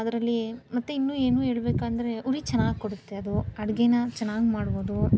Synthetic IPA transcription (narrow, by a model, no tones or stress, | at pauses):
ɐd̪ɐɾɐlːimɐt̪ːuinːuːeːnuːe̞ːɭbeːkaːnd̪ɐɾe̞ʔuɾit͡ʃɐnːaːɡkoɽut̪ːe̞ɐd̪uɐɽɡenɐt͡ʃɐnːaːɡmaːɽboːd̪u